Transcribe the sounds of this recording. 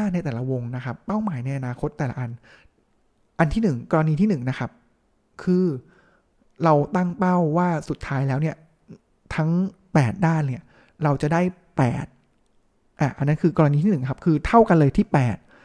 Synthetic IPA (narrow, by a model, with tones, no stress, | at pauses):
na˧jt̪ɛː˨˩la˦wo˧ŋna˦˥kʰa˦˥pːa˥˩wmaː˩˦jna˧jʔa˧naː˧kʰo˦˥t̪ːɛː˨˩la̰˦ʔa˧n | ʔa˧nt̪ʰiː˥˩nɯ˨˩ŋkɔː˧ɾa˧niː˧t̪ʰiː˥˩nɯ˨˩ŋna˦˥kʰa˦˥p̚ | kʰɯː˧ | ɾa˧wt̪a˥˩ŋpa˥˩wːaː˥˩su˨˩t̪ʰːaː˦˥jlɛː˦˥wni˥˩ɐ | t̪ʰa˦˥ŋ | pɛː˨˩t̪̚daː˥˩nːi˥˩ɐ | ɾa˧wt͡ɕa˨˩daː˥˩j | pɛ̰ː˨˩t̪̚ | ʔa˨˩ʔa˧nːa˦˥nkʰɯː˧kɔː˧ɾa˧niː˧t̪ʰi˥˩nɯ˨˩ŋkʰa˦˥p̚kʰɯː˧t̪ʰa˥˩wka˧nlɤː˧jt̪ʰiː˥˩pɛː˨˩t̪̚